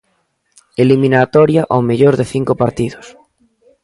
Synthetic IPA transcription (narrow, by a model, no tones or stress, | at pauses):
elimĩnat̪ɔɾjaʔawmeʎoɾðeθiŋkopaɾt̪iðos